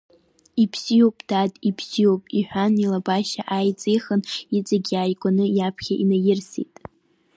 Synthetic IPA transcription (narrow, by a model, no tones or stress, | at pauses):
ipʰsijowpʼd̥adʼipʰsijopʼiħʷᶣanilabaʃaʔajt͡sʼejχənit͡sʼaɡʲaːjkʷʼanɨjapʰχʲaʔinajɪrsḭtʼ